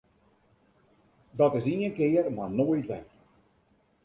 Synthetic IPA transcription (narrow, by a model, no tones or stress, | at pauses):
dɔtɪsiənkɪːərmarnoːjtʋɛ̰t